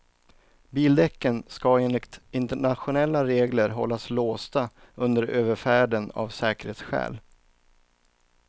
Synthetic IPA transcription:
biːld̪ɛkːənskaeːnlɪkt̪ɪnt̪əɳat̪ɧʊnɛlːaɾeːɡləɾɦɔ̰lːasloːst̪aɵnd̪əɾøːvəɾfæːɖəna̰vsɛːkəɾheːt̪sɧɛ̰ːl

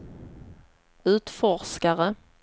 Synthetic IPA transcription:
ʉ̟ːt̪fɔʂkaɾə

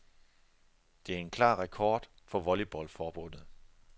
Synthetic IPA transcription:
d̥e̝æɐe̝nkʰlɑ̰̈ːʁɛkʰɒːd̥ | fɒ̽ʋɒlib̥ɒlfɒːb̥ɔ̽n̰ð̩ˠ

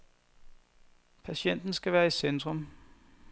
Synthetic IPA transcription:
pʰæɕen̰d̥n̩sɡ̥æʋæːɐisend̥ʁɔm

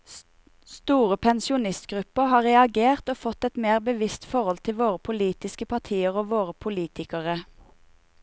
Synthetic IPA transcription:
st̪uːʁəpʰɛnsɪʊnɪst̪ɡʁʉpəhɑːʁɛɑɡeːʁt̪oːfɔt̪ɛt̪meːʁbəʋɪst̪fɔʁɔlt̪ʰɪlʋoːʁəpʰʊliːt̪ɪskəpʰɑt̪ʰiːəʁoːʋoːʁəpʰʊliːt̪ʰɪkəʁə

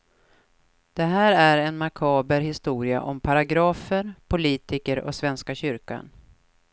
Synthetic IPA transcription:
d̪̥ɛɦæːɾæɾɛnmakʰɑːbəɾhɪst̪uːɾɪa̰ʔɔmpʰaɾaɡɾɑːfəɾpʰʊliːt̪ɪkəɾɔ̰svɛnskaɕʏɾka̰n

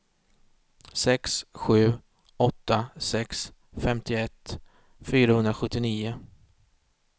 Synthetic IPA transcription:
sɛksɧʉ̟ː | ɔt̪ːasɛks | fɛmt̪ʰɪɛt̪ː | fyːɾahɵnd̪ɾaɧɵt̪ːɪniːʊ

